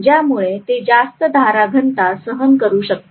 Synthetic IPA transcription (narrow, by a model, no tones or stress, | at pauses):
d͡ʑjamuɭet̪ed͡zast̪əd̪ʱaɾaɡʱənt̪asəɦənkəɾuːɕək̚t̪